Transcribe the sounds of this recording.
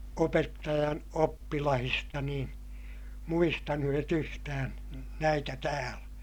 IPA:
opetːɑjɑn opːilɑhistɑ nĩː muistɑnuet yhtæːn̞ næitæ tæːlæ̥

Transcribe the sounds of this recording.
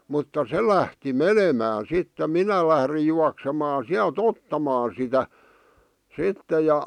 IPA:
mutːɑ se læhti menemæːn̞ sitːe minæ læhrij juɑksemɑː siælt otːɑmɑː sitæ sitːe jɑ

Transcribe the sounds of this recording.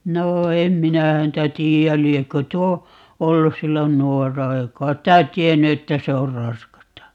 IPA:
noː em minæ hæntæ tiːæl liekːø tuo olːus̆ silːon nuorːɑ ei kɑit tæ tienːy etːæ se or rɑskɑstɑ

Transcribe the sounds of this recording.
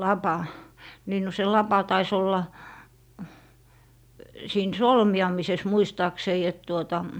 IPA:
lɑpɑ niːn no se lɑpɑ tɑis olːɑ siːn solmiɑmises muistɑːksei et tuotɑ

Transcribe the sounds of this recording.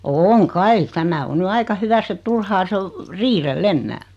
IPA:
oːŋ kɑi tæmæ o ny ɑikɑ hyʋæsː et turhɑː se o riːrelː enːæː

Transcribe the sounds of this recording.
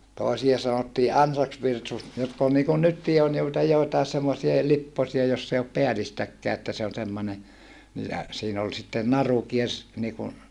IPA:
toˑesiɑ sɑnotːiː ɑnsɑksʋirsus jotk ol niːkun nytːiː on joitɑ joitɑes semːosie lipːosiɑ josː ei op peælistækːæː etːæ se on semːone ni jæ siːn ol sitːen nɑru kiers niːkun

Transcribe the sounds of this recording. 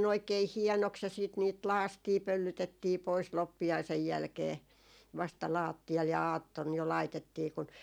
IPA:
oikei hiɛnoks jɑ siːt niːt lɑːstiː pølːytetːiː pois lopːiɑisej jælkeː ʋɑstɑ lɑːtːiɑl jɑ ɑːtːon jo lɑitetːiː kun

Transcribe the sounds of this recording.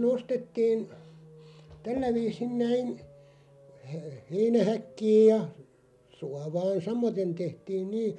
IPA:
se nostetːiːn tælːæ ʋiːsin næin he heinæhækːiːj jɑ suɑʋɑːn sɑmoten tehtiːn niː

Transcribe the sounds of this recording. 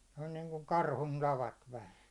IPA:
se on niːŋkuŋ kɑrhun tɑʋɑt ʋæhæn̞

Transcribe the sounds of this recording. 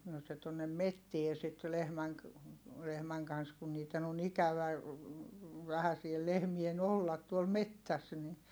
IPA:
noː se tuonːem metːie sit lehmæŋ k lehmæŋ kɑns kun niːtˑen on ikæʋæ ʋæhæ siel lehmien olːɑt tuol metːæs ni

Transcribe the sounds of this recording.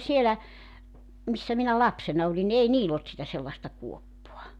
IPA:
sielæ misːæ minæ lɑpsenɑ olin ni ei niːlː olt sitæ selːɑĕstɑ kuopːoɑ

